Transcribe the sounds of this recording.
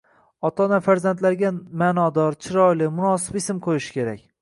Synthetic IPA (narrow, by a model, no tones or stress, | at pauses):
ɒt̪ʰɒnafaɾzant̪laɾɡʲamanɒd̪ɒɾt͡ʃʰɪɾɒjlɪmʊnɒs̬ɪpɪsɪmqʰojɪʃɪ̥kʲʰe̞ɾakʲ